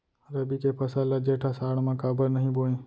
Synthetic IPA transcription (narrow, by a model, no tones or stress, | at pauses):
ɾəbikepʰɐsaːlad͡ʒeːʈʰaːsaːɳ̃mãːkaːbəɾnəɦĩboːẽː